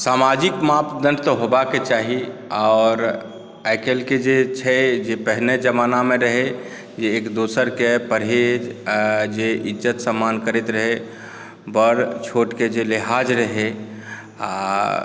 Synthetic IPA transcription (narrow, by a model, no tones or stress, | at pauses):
saːmad͡ʒɪkmapd̪ənt̪oɦobaket͡ʃaːɦiɔːɾ | ɛːkelked͡ʒet͡ʃʰɛd͡ʒepəɦned͡ʒəmaːnamẽɾəɦe | jeːkd̪oːsəɾkepəɾɦed͡ʒd͡ʒeʔɪd͡ʒət̪səmːaːnkəɾet̪ɾəɦe | bəɾt͡ʃʰoːʈked͡ʒelɪɦad͡ʒɾəɦe | a